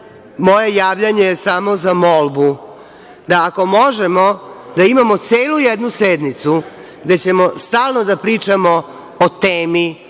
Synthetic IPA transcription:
mo̞je̞jaːʋʎaɲejesamo̞zamo̞lˠbu | d̪aːko̞mo̞ʒemo̞d̪aimamo̞t̪seːlujed̪nused̪nit̪su | ɡd̪e̞t͡ɕe̞mo̞st̪aːlˠno̞d̪apɾiːt͡ʃamo̞ | ot̪eːmi

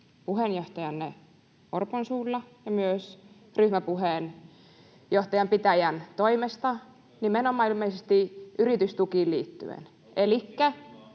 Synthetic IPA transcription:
puhenjoht̪ɑjɑnːe | orponsuːlːɑjɑmyøs | ryhmæpuheˑn | joht̪ɑjɑmpit̪æjænt̪oimest̪ɑ | nimenomɑilmeisest̪iyrit̪yst̪ukiːlliːt̪ːy̰ḛn | elikːæ

